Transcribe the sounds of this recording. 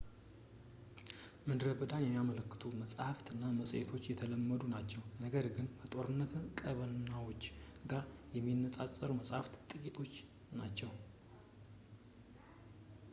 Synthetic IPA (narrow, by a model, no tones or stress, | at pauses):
mɨd̪ɾəbɨd̪anjɛmːijamələkːɨ̥t̪ʰuməsʼhaft̪ɨnːaməsʼʔet̪ʰo̞t͡ʃːjɛt̪ʰələmːəd̪unat͡ʃːɛwnəɡəɾɡɨnbət̪ʼo̞ɾɨnːət̪kʼəβənːawo̞t͡ʃːɡajɛmːinːəsʼasʼəɾuməsʼhaft̪t̪ʼɨkʼit̪ʰo̞t͡ʃː | nat͡ʃːɛw